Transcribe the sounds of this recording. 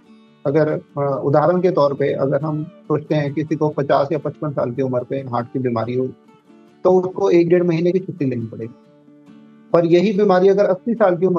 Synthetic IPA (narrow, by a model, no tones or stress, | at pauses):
ɐɡəɾʊd̪ʱaːɾəɽ̃ket̪ɔːɾpeʔɐ̰ɡəɾɦɐmsoːt͡ʃt̪eɦɛ̃kɪsikopɐt͡ʃaːsjapɐt͡ʃpənsa̰ːlkiʊməɾpeɦaːʈ̚ʰkibiːma̰ːɾiɦoː | t̪oʊskoeːk̚ɖeːɽmɐɦiːnekit͡ʃʰʊʈ̪ːileːnipɐɽḛːɡi | pɐɾjɐɦibiːmaːɾiɐɡəɾɐsːiːsaːlk̬iʊmə